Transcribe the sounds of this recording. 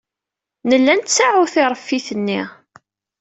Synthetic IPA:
nəlːænt̪saʕuθɪɾˤəfːiθənːi

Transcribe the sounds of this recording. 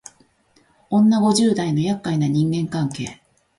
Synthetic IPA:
õ̞nːaɡo̞ʑɨːd̪aino̞jakːainaɲ̟ĩŋɡẽ̞ŋkãŋke̞̰ː

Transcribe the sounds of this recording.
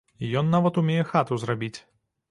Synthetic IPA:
ijɔnːavɐt̪umʲejɛxat̪uzrabʲit͡sʲ

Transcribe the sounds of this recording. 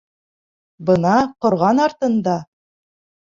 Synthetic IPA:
bɤnɑqŏɾʁɑnɑɾt̪ɤ̆nd̪ɑ

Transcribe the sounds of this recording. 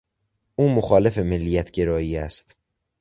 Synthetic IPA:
ʔuːmoxɒːle̞fe̞melːijæt̪ʰɟe̞ɾɒːjiːæst̪

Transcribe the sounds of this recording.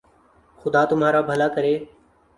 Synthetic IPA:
xʊd̪aːt̪ʊmɦaːɾaːbʱəlaːkəɾeː

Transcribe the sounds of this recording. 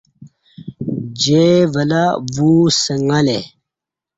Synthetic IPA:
d͡ʑevəlavusəŋale

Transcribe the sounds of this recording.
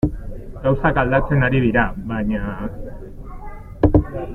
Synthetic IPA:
ɡ̥awsakald̪at͡se̞naɾiðiɾaβaɲa

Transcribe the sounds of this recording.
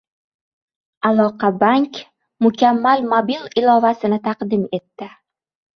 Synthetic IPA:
alˠɒqʰɑbaŋkʲ | mʊkʲʰamːalmobilˠɪlˠɒvasɪnɪt̪ʰɑqd̪ɪme̞t̪ːɪ

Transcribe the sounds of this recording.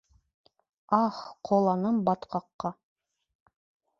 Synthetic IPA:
ɑχqʰolˠɑnɤmbɑt̪qɑqːɑ

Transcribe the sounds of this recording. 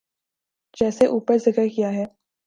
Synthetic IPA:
d͡ʒɛːseʔuːpəɾzɪkəɾkijaɦɛː

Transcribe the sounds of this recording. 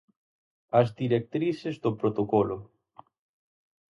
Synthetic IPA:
ɐzd̪iɾek̚t̪ɾisezðopɾot̪okolʊ

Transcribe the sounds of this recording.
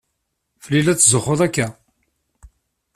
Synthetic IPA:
fəlilæt͡sːzəχːʊðˤækːæ

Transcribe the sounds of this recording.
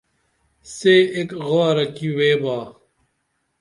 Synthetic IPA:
seːekɣoɾɐkiweːbaː

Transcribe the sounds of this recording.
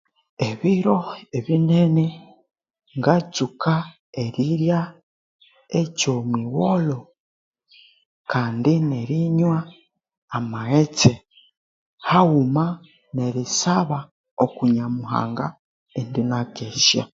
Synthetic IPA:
eβiɾo̞eβinene | ŋɡat͡suka | eɾiɾja | ecomwiwolo̞ | kaːndineɾiɲwaː | maɣet͡se | haɣuma | ne̞ɾisaβa | okuɲamuɦa̰ːŋɡa | endinakesja̰

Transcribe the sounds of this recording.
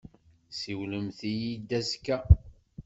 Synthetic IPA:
siwləmθijid̪æskːæ

